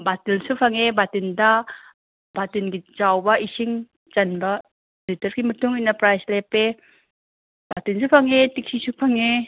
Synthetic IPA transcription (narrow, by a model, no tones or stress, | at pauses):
batilsupʰaŋebatɯnda | b̥atɯnɡit͡ʃawbaʔisiŋ | t͡ʃanba | ditəɾkimətuŋinapɾajslɛpe | b̥atinsʰupʰaŋetik̚sisupʰaŋe